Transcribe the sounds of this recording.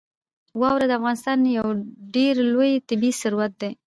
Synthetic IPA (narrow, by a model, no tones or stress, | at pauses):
wɑwɾed̪əafɣɑnɪst̪ɑnjawɖeɾlojt̪ɪbisʊɾuwat̪̚d̪e